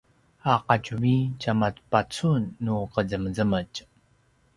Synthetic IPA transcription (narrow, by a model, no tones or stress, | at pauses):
aqacuicamat͡spat͡sunːuqəzəməzəməc